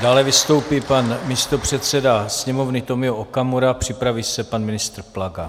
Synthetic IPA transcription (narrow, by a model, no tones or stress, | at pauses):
d̥aːlɛvɪst̪o̞wpiːpanmɪst̪o̞pr̝̥ɛt̪sɛdasɲɛmo̞vnɪt̪o̞mɪoʔokamoɾaːpr̝̥ɪpɾaviːsɛpanmɪnɪst̪ɾ̩plaɡa